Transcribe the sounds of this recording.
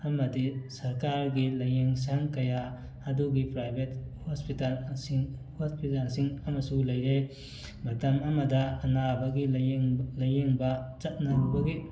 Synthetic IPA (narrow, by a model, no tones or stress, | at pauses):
ɐmɐdisɐɾkaɾɡilɐjeŋs̬aŋkɐja | ɐduɡipɾajbʱet̚hospitalsŋhospitalsiŋɐmɐsulɐjɾe | mɐtɐmɐmɐdɐɐnabɐɡilɐjeŋbɐt͡ʃɐt̚nɐnubɐɡi